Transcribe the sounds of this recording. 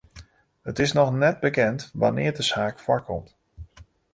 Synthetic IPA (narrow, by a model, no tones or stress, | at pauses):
hətɪsnɔxnɛt̚bəkɛntʋa̰nɪːɹdəsaːkfwɔkɔmt